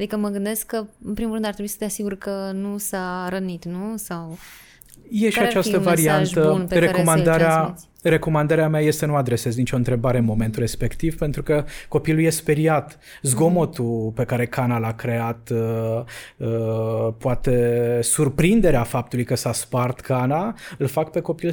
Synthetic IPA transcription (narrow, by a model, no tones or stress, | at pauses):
ad̪ikəməɡɨnd̪eskːəɨnpɾimurɾɨnd̪at̪ɾebuisə̥t̪easiɡuɾkənusaɾənit̪nusaw | je̞ʃiat͡ʃast̪əvaɾiant̪əunpɾekomand̪aɾea | ɾe̞ko̞mand̪aɾeameaje̞st̪e̞nuad̪ɾe̞se̞zənit͡ʃʲo̞ɨnt̪ɾe̞baɾe̞ɨnmo̞me̞nt̪uɾe̞spe̞kt̪iv̥pe̞nt̪ɾukəko̞piluje̞speɾiat̪ | zɡo̞mo̞t̪upe̞kaɾe̞kanalakɾe̞at̪ | əpoat̪e̞surpɾind̪e̞ɾeafap̚t̪ulujkəsaspart̪kʰanaɨlfakpe̞ko̞pil